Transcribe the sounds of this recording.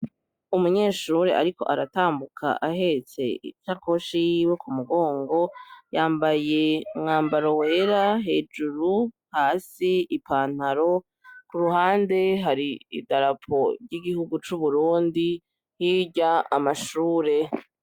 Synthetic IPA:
umuɲe̞ːʃuɾe̞̰ʔa̰ɾiko̞ʔaɾataːmbukʰa̰ʔahe̞t͡se̞̰ḭt͡ʃako̞ʃiwekumuɡo̞ːŋɡo̞jaːmbaje̞mŋaːmbaɾo̞weɾaɦe̞ːd͡ʒuɾu | haːsiipaːn̥haɾo̞ | kuɾuhaːnde̞ɦaɾiḭdaɾapʰo̞ɾɟiɡihuɡut͡ʃuβuɾuːndi | hiɟaːmaʃuːɾe̞

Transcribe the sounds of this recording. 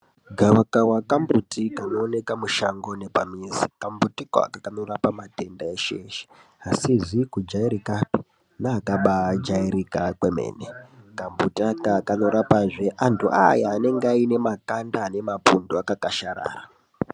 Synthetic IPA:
ɡʱawakawakambutikano̞ːne̞kamuʃaŋɡo̞ne̞pa̰mizikambutikoa̰kakano̞rapamate̞ndaeʃeʃe̥ | asiʐikud͡ʒaiɾikapi̥ | naːkaɓad͡ʒaiɾikakwemḛːnekambutiakakano̞ɾapaʐeʔantʰuʔa̰jaːne̞ŋɡaine̞makandaːne̞mapunduakakaʃaɾa̰ːra

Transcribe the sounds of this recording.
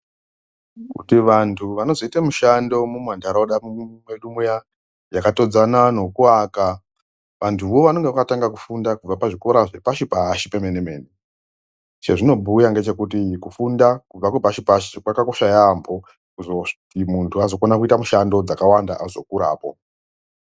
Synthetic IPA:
kṵtiʋantʰuʋano̞zoitamuʃando̞mumwandaɾaoɗammweɗumuja | jakato̞d͡zanano̞kuaːka | ʋantʰuʋo̞ʋano̞ŋɡeʋakataŋɡakufundakub͡vapaʐiko̞ɾaʐe̞paʃipaʃipemeneme̞̰ːni | t͡ʃe̞ʐino̞bʱujaŋɡe̞t͡ʃe̞kutikufundakub͡vakwepaʃipaʃikwakako̞ʃajambo̞ | kuzo | imuntʰuazo̞konakuitamuʃando̞d͡zakawanda̰ʔazo̞kuɾa̰ːpo̞̰

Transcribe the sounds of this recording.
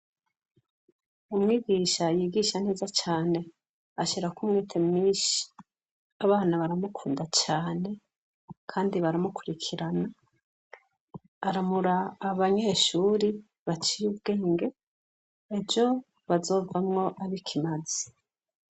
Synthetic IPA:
umŋiːɡiːʃajiɡiʃane̞ːzat͡ʃaːne̞ | aʃiɾakumŋiːtʰemŋiːʃi̥ | aβaːnaβaɾamukʰuːndat͡ʃaːne̞ | kʰaːndiβaɾamukuɾikʰiɾana | ɾamuɾaːβaɲe̞ʃuɾi | βat͡ʃijubɡe̞ːŋɡe̞ | ed͡ʒo̞ | βazo̞ːvamŋo̞ʔaβikʰimazi

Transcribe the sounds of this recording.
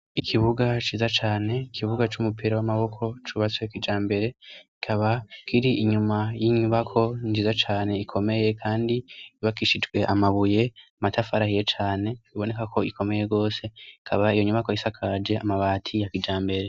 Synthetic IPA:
ikʰiβuɡat͡ʃiːzat͡ʃaːne̞ikʰiβuɡat͡ʃumupiɾawamaβo̞kʰo̞t͡ʃuβat͡swekid͡ʒaːmbe̞ɾe̞kikʰaβakiɾiiɲumajiɲuβakʰo̞ɲd͡ʒiːzat͡ʃaːne̞ikʰo̞me̞je̞kʰaːndiːβakiʃid͡ʒɡwe̞ʔamaβuje̞amatafaɾahije̞t͡ʃaːne̞iβo̞ne̞kakʰo̞ikʰo̞meje̞ɡo̞ːse̞ikʰaβaijo̞ɲuβako̞isakʰad͡ʒe̞amaβaːtʰijakid͡ʒaːmbe̞ɾe̞

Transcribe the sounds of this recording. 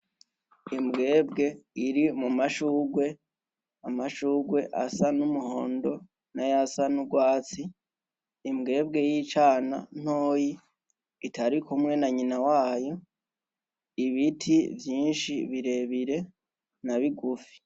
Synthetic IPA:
imɡe̞ːbɡe̞iɾimumaʃuːɡwe̞ | amaʃuːɡwe̞ʔa̰sanumuho̞ːndo̞ | najasanuɡwaːt͡siː | mɡe̞ːb̚ɡe̞jit͡ʃaːna̰n̥oːji | itʰaɾikumŋe̞naɲinawaːjo̞ | iβitʰivjiːnʃiβiɾe̞βiɾe̞ | naβiɡufi̥

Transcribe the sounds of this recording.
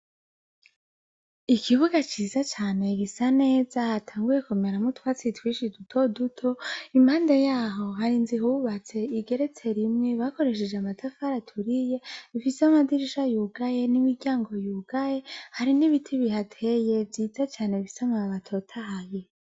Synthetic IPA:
ikʰiβuɡat͡ʃiːzat͡ʃaːne̞ɡisane̞ːzahatʰaːŋɡujekumeɾamutwat͡sitwiːʃidutʰo̞dutʰoimaːndejaːɦo̞ɦaɾinziɦuβat͡se̞iɡe̞ɾet͡se̞ɾimŋeβako̞ɾe̞ʃ̬ed͡ʒeamatafaɾatʰuɾije̞βifiseamadiɾiʃajuɡaje̞nimiɾɡaːŋɡo̞juːɡ̥aje̞haɾiniβitʰiβiɦatʰe̞je̞vjiːzat͡ʃaːneβifi̥saŋaβatʰo̞tʰaɦaβi

